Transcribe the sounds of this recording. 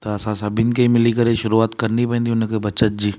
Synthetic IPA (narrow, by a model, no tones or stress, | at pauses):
t̪oɐsãsabinkeimɪlikɐɾeʃʊɾuaːt̪kɐɾnipɛ̃ːnd̪iʊnekebɐːʃət̪̚d͡ʒiː